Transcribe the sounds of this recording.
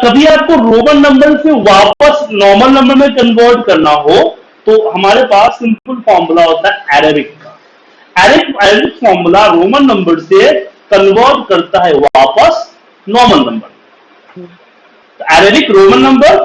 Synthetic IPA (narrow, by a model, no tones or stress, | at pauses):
kɐbʱiaːp̚koɾoːmənːɐ̃mbəɾseʋaːpəsnɔːɾməlnɐ̃mbəɾmẽkɐ̃nʋəːɾɖkɐɾnaɦo | t̪oɦɐmaːɾepaːsːɪ̃mpʊlfɔːɾmʊlaɦoːt̪aɦɛɛːɾebɪkːa | ɛːɾɪkɛːɾeːbɪkfɔːɾmulaɾoːmənːɐ̃mbəɾsekɐnʋəːɾɖkɐɾt̪aɦɛʋaːpəs | nɔːɾməlnɐ̃mbəɾ | t̪oɛːɾeːbɪkɾoːmənːɐ̃mbəɾ